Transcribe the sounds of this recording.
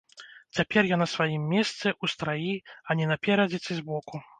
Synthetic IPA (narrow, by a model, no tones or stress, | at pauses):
t͡sʲapʲɛrjanɐsvajimːʲɛst̪sɛʔust̪ɾajiɐnʲɛnɐpʲɛɾɐd͡zʲɛt̪sʲɨzʲbɔku